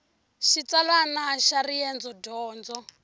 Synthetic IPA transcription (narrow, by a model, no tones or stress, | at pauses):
ʃit͡salanaʃarijɛnd͡zɔdɔːnd͡zɔ